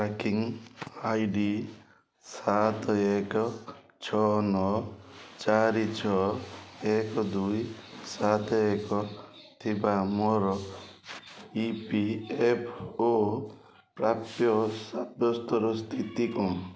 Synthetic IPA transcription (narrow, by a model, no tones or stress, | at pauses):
ɾakiŋajɖi | sat̪ɔekɔ | t͡ʃʰɔnɔt͡ʃaɾit͡ʃʰɔ | ekɔd̪ujsat̪ɔekɔt̪ʰibamɔɾɔ | ipiepʰo | pɾapjɔsabjɔst̪ɔɾɔst̪ʰit̪ikɔ̃